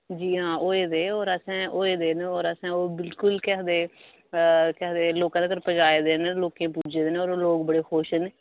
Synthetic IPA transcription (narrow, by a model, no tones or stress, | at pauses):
d͡ʒiːɦãːoːeːd̪eːɔːɾəsɛ̃ːʔoːeːd̪eːneɔːɾəsɛ̃ːoːbɪlkʊlkɛːd̪eː | kɛːd̪eːloːkãːd̪eːkəɾpəd͡ʒaːeːd̪eːneloːkẽːpuːd͡ʒeːd̪eːnoːɾoloːkbəɽeːxoːʃneː